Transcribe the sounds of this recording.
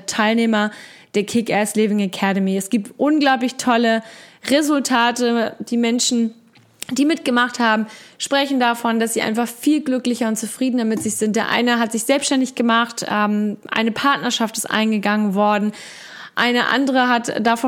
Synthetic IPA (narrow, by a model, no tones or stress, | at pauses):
tʰaɪlneːmɐd̥eːɐkʰɪkɛslɪvɪŋakʰɛɾəmiɛsɡ̥iːp̚tʔʊnɡlaʊp̬lɪçtʰɔləʁezʊltʰaːtəd̥iːmɛnʃn̩ | d̥iːmɪt̚ɡ̥əmaχthaːbm̩ʃpʁ̥ɛçn̩dafɔndasz̥iːʔa̰ɪnfaχfiːlɡlʏklɪçɐʊntt͡sufʁ̥iːdnɐmɪtz̥ɪçz̥ɪnt̚d̥eːɐʔa̰ɪnəɦatz̥ɪçz̥ɛlpsʃtɛndɪçɡ̥əmaχtɛmʔa̰ɪnəpʰaɐtnɐʃaftɪstʔa̰ɪnɡəɡaŋənvɔɐdn̩ | ʔa̰ɪnəʔa̰ndəʁəɦatd̥afɔ